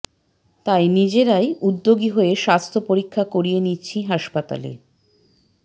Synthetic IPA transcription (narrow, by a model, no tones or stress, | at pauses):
t̪ajnid͡ʑeɾajud̪ːoɡiɦoeʃast̪ʰopoɾikʰːakoɾienitːɕʰiɦaʃpat̪a̰lḛ